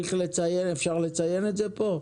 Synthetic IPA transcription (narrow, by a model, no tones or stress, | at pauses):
iχle̞t͡saje̞nefʃaʁlet͡saje̞netzepo̞